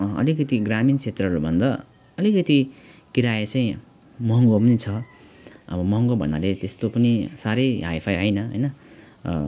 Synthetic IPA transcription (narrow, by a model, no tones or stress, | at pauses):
ʌ̰likʌt̪iɡramint͡sʰet̪rʌɦɾubʱʌnd̪a | ʌlikʌt̪ikiɾajet͡sʌjĩ | mʌɦŋɡopʌnit͡sʰʌ | ʌbʌmʌɦŋɡobʱʌ̰na̰let̪est̪opʌnisaɾʌjɦa̰jpʰajɦʌjnʌɦʌ̰jnʌ̰